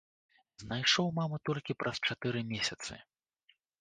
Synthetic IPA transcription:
znajʂɔwmamɨt̪ɔlʲkʲipɾʔɐst͡ʂat̪ɨɾɨmʲesʲɐt̪sɨ̰

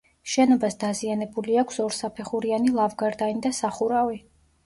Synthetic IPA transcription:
ʃɛnɔbasd̪azianɛbuliakʷʰsɔɾsapʰɛχuɾianilˠavɡaɾd̪anid̪asaχuɾavi

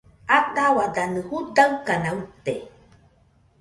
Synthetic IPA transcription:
at̪awad̪anɨhud̪aɯkanaut̪e

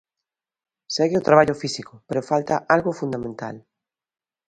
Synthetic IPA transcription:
seɣɪʊt̪ɾaβaʎʊfisikʊpeɾofalt̪aʔalɣʊfund̪amẽnt̪a̰l

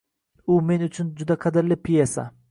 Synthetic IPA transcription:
ʊme̞nʊt͡ʃʰʊnd͡ʒʊd̪aqʰɑd̪ɪɾlɪpʰijesa̰

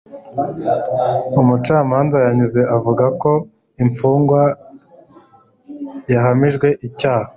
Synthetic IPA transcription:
umut͡ʃaːmaːnzajaɲize̞ʔavuɡako̞ | imp͡fuːŋɡwa | jaɦamiʒɡwe̞ʔicaːha

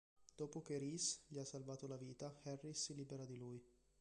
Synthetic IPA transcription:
d̪̥oːpok̟eɾisʎiasːalvaːt̪olaviːt̪axɛrːisːiliːbeɾad̪iluj

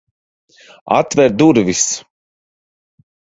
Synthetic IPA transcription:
a̰t̪vɛɾd̪uɾvis

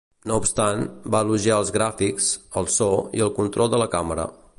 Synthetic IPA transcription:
noupst̪anbaluʒiaəlˠzɣɾafiksəlˠsɔiəlˠkunt̪ɾɔlˠd̪ələkaməɾə̰

